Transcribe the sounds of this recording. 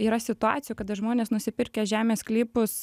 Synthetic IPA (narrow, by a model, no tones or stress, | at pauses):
iːɾɐsʲɪt̪ʊɑ̰ːt͡s̪sʲɪjuːkɐd̪ɐʒmoːnʲeːsnʊsʲɪpʲɪɾʲkʲeʒʲæːmʲeːsklʲiːpʊs